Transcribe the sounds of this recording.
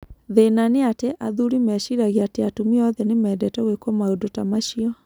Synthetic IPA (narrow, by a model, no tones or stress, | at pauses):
ðenaneateʔaðuɾimɛʃiɾaɣeateatumiɔðɛnemɛːdɛtɛɣwekɔmaodotamaʃiɔ